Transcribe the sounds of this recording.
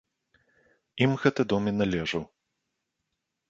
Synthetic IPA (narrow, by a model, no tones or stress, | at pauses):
imɣɛt̪ɐd̪ɔminalʲɛʐɐw